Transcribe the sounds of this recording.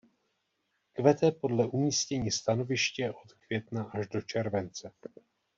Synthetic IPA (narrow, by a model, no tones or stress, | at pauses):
kvɛt̪ɛpo̞dlɛʔumiːscɛɲiːst̪ano̞vɪʃcɛʔo̞t̪kv̥jɛt̪naʔaʒdo̞t͡ʃɛɾvɛnt͡sɛ